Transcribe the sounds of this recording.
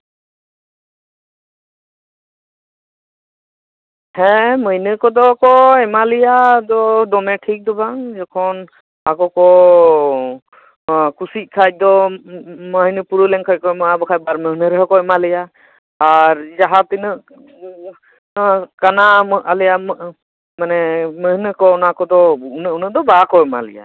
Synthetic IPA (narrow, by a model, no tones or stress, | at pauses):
hɛmɯjnɯkɔd̪ɔkɔɛmalijad̪ɔdɔnɛʈʰik̚d̪ɔbaŋzɔkʰɔn | akɔkɔ | kusit̚kʰaj̚d̪ɔ | məɦnɯpuɾulɛŋkʰac̚kɔmɔabɔkʰaj̚baɾməɦnɯɾɛɦɔkɔɛmalijaː | ɾzaɦat̪inɯʔ | kanamɯʔalijam | manɛməhnɯkɔɔnakɔd̪ɔuʔnɯunɯd̪ɔbakɔɛma̰lḭja̰